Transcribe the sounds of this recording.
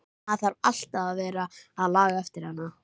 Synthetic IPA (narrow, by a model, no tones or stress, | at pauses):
aðθaɾal̥t̪aðaðvɛːɾaːðlaːɣaɛft̪ɪɾ̥hanːa